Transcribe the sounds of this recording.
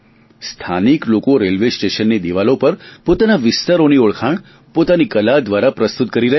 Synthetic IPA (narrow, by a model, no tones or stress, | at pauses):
st̪ʰaniklokoɾelʋesʈeʃənːid̪iʋalopəɾpot̪anaʋɪst̪aɾonioɭkʰaɳ | pot̪anikəlad̪ʋaɾapɾəst̪ut̪̚kəɾiɾəɦ